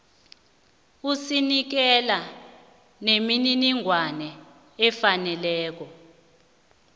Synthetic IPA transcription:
usinik̬ɛla | nemininiŋwanɛ | ɛfanɛlɛːk̬ɔ

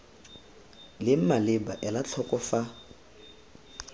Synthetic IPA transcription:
lɪm̩malɪbaʔɛlat͡ɬʰɔkʼɔfa

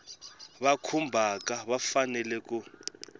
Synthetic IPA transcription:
βakʰumbʱakʼaβafanɛlɛk̬ʼu

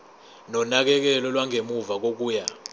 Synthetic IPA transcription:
nɔnak̬ɛk̬ɛlɔlwaŋʱemuvak̬ok̬uːja

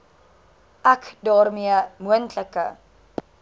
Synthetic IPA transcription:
ʔækdɑːrmiəmuəntləkə̰

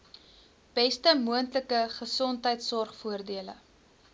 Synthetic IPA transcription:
b̥ɛstəmuəntləkəχəsɔntɦəjtsɔrχfuərdiələ̰

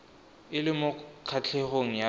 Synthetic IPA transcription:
ɪlɪmʊkʰat͡ɬʰeχoŋ̩ja

